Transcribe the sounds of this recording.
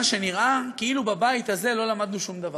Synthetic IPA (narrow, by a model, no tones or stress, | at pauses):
ʃe̞niʁʔakiilubabajit̪aze̞lo̞lamad̪nuʃumd̪ava